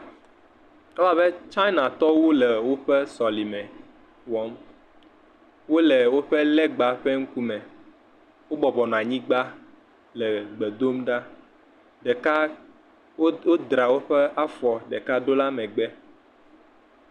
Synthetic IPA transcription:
la˦be˦t͡ʃa˦na˨t̪ɔ˦wo˦lɛ˨wo˦ɸɛ˦sɔ˨li˨mɛ̃˨ | wɔ˦m | wo˦lɛ˨wo˦ɸe˦lɛ˦ɡ͡ba˨ɸɛ˦ŋ̩˦ku˦mɛ̃˨ | wo˦bɔ˨bɔ˨nɔ̃˨a˨ɲĩ˦ɡ͡ba˦ | lɛ˨ɡ͡be˨d̪o˦mɖa˦ | ɖɛ˨ka˦ | o˦d̪ɾa˨wo˦ɸɛ˦a˦fɔ˨ɖɛ˨ka˦ɖo˦la˦mɛ̃˨ɡ͡bɛ˦

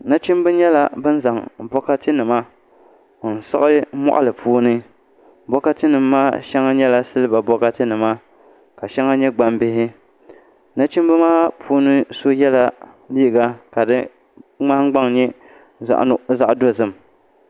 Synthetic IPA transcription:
na˦t͡ʃi˦m˦bɨ˦ɲɛ˦la˦bɨ˦n˦za˨ŋbɔ˦ka˦tɨ˦nɨ˨ma˦˨ | n̩˨sɨ˦ɣɨ˦mɔ̰˦ʔa̰˦˨lɨ˨pʰuː˦nɨ˦ | bɔ˦ka˦tɨ˦nɨ˨mːaː˦ʃɛ˦ŋa˦ɲɛ˦la˦sɨ˦lɨ˦ba˨bɔ˦ka˦tɨ˦nɨ˨ma˦ | ka˨ʃɛ˦ŋa˦ɲɛ˦ɡ͡ba˦mbɪ˦ɦɪ˦ | na˦t͡ʃi˦m˦bɨ˦maː˦pʰuː˦nɨ˦so˦jɛ˦la˦ | li˦˨ɡa˦ka˨dɨ˦ | ŋ͡ma˦hɡ͡ba˦ŋɲɛ˦ | za̰˦ʔza˦ʔdo˦zɨ˦˨m

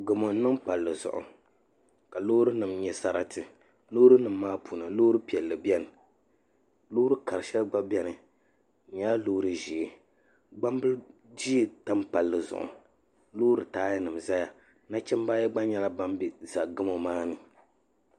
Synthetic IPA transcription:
ɡɨ˨mo˨n˦nɨ˦mpa˨lːɨ˨zʊ̰˨ʔʊ̰˨ | ka˨lo˦ɾɨ˦nɨ˨mɲɛ˨sa˦ɾa˨tʰɨ˨ | lo˦ɾɨ˦nɨ˨mː˦aː˦pu˨nɨ˨loː˦ɾɨ˦pi˨ɛ˨lːɨ˨bjɛ˦nɨ˨ | lo˦ɾɨ˦ka˨ɾɨ˨ʃɛ˦lɡ͡ba˦bɛ˦nɨ˨ | ɲɛ˦la˦lo˦ɾɨ˨ʒi˨˦ | ɡ͡ba˦m˦bɨ˦ld͡ʒi˦˨ta˦m˦pa˨lːɨ˨zʊ̰˨ʔʊ̰˨ | lo˦ɾɨ˨taː˦jɪ˦nɨ˨m˨za˦ja˨ | na˦t͡ʃɛ˦mbaː˦jɛ˦ɡ͡ba˦ɲɛ˦la˦ba˦mbi˨za˨ɡɨ˦mo˨maː˦nɨ˨

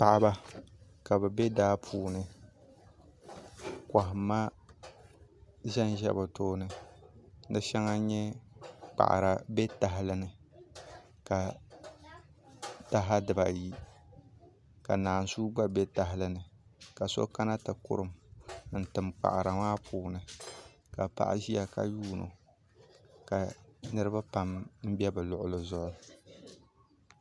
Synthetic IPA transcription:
pa˨ʔa˨ba˦ka˨bɨ˨bɛ˦daː˦pʰuː˨nɨ˦ | ka˨ɦɪ˨ma˦ | ʒɛ˦n˦ʒɛ̰˦bʊ˨toː˦nɨ˦ | nɨ˦ʃɛ˦ŋa˦ɲɛ˦k͡pa̰˨ʔa̰˨ɾa˨bɛ˦ta˨ɦɪ˦lɨ˦nɨ˨ | ka˨ | ta˦ɦa˦dɨ˨ba˨ji˦ | ka̰˨naː˨n˨suː˦ɡ͡ba˦bɛ˦ta˨ɦɪ˦lɨ˦nɨ˨ka˨so̰˦ka˦na˦tɨ˨kʊ̰˦ɾɨ˨mn̩˨tɨ˨mk͡pa̰˨ʔa˨ɾa˨maː˦pʰuː˨nɨ˨ | ka˨pa̰˦ʔa̰˦ʒi˦a˨ka̰˨juː˦no̰˨ | ka˨nɨ˦ɾɨ˦ba˦pa˨mm̩˦bɛ˦bɨ˨lʊ˨ʔʊ˨lɨ˨zʊ˦ʔʊ˦

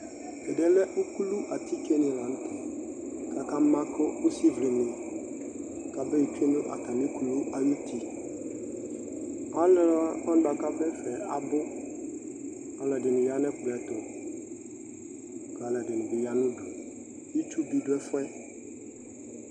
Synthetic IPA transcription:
ɛ˨dɛ˨lɛ˦ʔʊ˦ku˦lu˦ʔa˨t̪ʰi˦kɛ˦nɪ̃˨la˨n̩˦tʰɪ˨ | ka˨ka˦mã˦kʊ˦ʊ˦si˦vlɪ˨nʊ̃˨ | ka˨bɛ˦i˨tʰi˦nʊ̃˦ʔa̰˨ta˨mĩ˦kʰu˨lu˦ʔa˨ju˦tʰi˨ | a˦lɛ˦ɔ˦n˦ba˨ka˦bɛ˦fɛ˨a˨bʊ˦ | a˨lɛ˨dɪ˨nʊ̃˨ja˨˦nɛ˦kʊ˨ɾɛ˨tʊ˨ | ka˨lɛ˨dɪ˨nʊ̃˨bɪ˨ja˨nʊ̃˦du˨ | i˦t͡ʃu˦bi˨dʊ˦ɛ˦fʊ˦ɛ˦

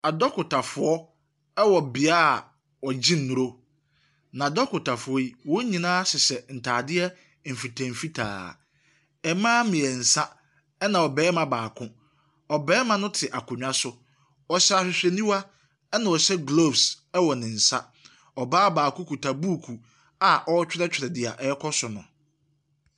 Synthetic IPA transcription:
a˨dɔ˦kʊ˨ta˨fʊ˨ɔ˦ | ɛ˦wɔ˨bɪ˨aː˦˨ | wɔ˨d͡ʑĩ˦n̩ː˨ũ˨ɾo˦ | nã˨dɔ˦kʊ˨tʰa˨fʊ˨ɔ˦i˦wɔ̃˦ɲĩ˨nãː˦sɪ˨sɛ˨n̩˨tʰaː˨dɪ˦ɛ˦ | m̩˨fi˨tʰã˨m̩˨fi˦tʰa̰ː˨ | ɛ˨mãː˦mɪ̃˨ɛ˨n̩˨sa˦ | ɛ˦nã˨ɔ˨bɛː˨˦mã˨baː˨kʰʊ̃˦ | ɔ˨bɛː˦mã˦nʊ̃˦tʰɪ˨ʔa˨kʰʊ̃˨ɲᶣ˦ã˦sʊ˦ | ɔ˨ɕa˨ɕᶣɪ˨ɕᶣɛ˨nĩ˦wa˦ | ɛ˦nã˨ɔ˨ɕɛ˦ɡlo˦˨bs | ɛ˦wɔ˨nɪ̃˨n̩˨sa˦ | ɔ˨baː˦baː˨kʰʊ̃˦kʰu˨tʰa˨buː˦˨kʰu˨ | a˨ʔɔ˦t͡ɕᶣɪ˦ɾɛ˦t͡ɕᶣɾɛ˨dɪ˨a̰˨ʔɛ˦kʰɔ˦sʊ˨nʊ̃˨

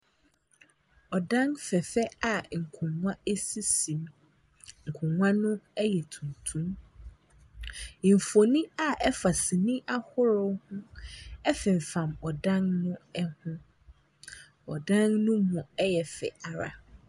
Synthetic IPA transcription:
ɔ˨dã˦ŋfɛ˨fɛ˦a˨ŋ̩˨kʰʊ̃˨ã˦e˦si˦sĩ˨m | ŋ̩˨kʰʊ̃˨ŋʷã˦nʊ̃˦ɛ˦jɛ˨tʰũ˨ntʰũ˦m˨ | m̩˨fo˨nĩ˦a˨ɛ˦fa˨sɪ˨nĩ˦ʔa˦hʊ˦ɾʊ˦hʊ̃˦ɛ˦fɪ̃˨m̩˨fã˨mɔ˨dã˦ŋnʊ̃˦ɛ˦hʊ̃˦ | ɔ˨dã˦ŋnʊ̃˦mʊ̃˨ɛ˦jɛ˨fɛ̰˨a˨ɾa̰˨

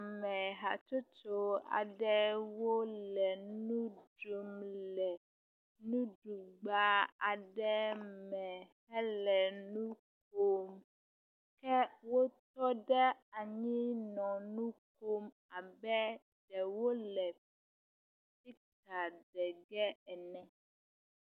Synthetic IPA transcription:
mɛ̃˨ɦa˨t͡ʃo˦t͡ʃo˦a̰˨ɖɛ˦wo˦lɛ˨nũ˦do˦mlɛ˨ | nũ˦ɖu˨ɡ͡ba˦a̰˨ɖɛ˦mɛ̃˨hɛ˦lɛ˨nũ˦ | k̚o˦m | kɛ˦wo˦t̪ɔ˦ɖɛ˦a˨ɲĩ˦nɔ̃˨nũ˦k̚o˦m | a˨bɛ˦ | ɖ̥ɛ˨wo˦lɛ˨ | si˦ | t̪a˨ɖɛ˨ɡɛ˦ɛ˨nɛ̃˨

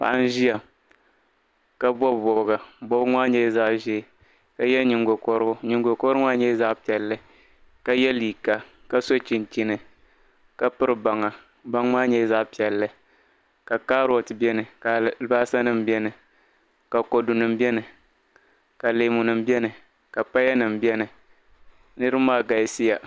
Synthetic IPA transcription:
pa̰˨ʔa˦n˦ʒi˦ja˨ | ka˦bɔ˦˨bɔ˨bɡa˨bɔ˦bŋʷaː˦ɲɛ˦za˦ʔʒɛ˦˨ | ka˦jɛ˦ɲi˨ŋɡo˨kɔ˦ɾʊ˦ɲi˨ŋ˦ɡo˨kɔ˦ɾɨ˦ŋa˦ɲɛ˦za˦ʔpi˨ɛ˨lːɨ˦ | ka˦jɛ˦liː˨ka˨ka˦so˦t͡ʃi˨nt͡ʃi˨nɨ˨ | ka˦pɨ˦ɾɨ˦ba˨ŋa˨ | ba˦ŋmaː˦ɲɛ˦za˦ʔpi˨ɛ˨lːɨ˦ | ka˨ka˦ɾo˨tɨ˨bɛ˦nɨ˨ka˨˦baː˦sa˦nɨ˦m̩bjɛ˦nɨ˨ | ka˨ko˨du˨nɨ˨m˦bɛ˦nɨ˨ | ka˨leː˨mʊ˨nɨ˨m̩˦bɛ˦nɨ˨ | ka˨pa˦ja˦nɨ˨m̩bɛ˦nɨ˨ | nɨ˦ɾɨ˦maː˦ɡa˨˦si˦ja˨

